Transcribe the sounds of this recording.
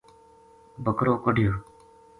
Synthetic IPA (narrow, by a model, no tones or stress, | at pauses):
bʱəkɾoːkəɖʱɪjoː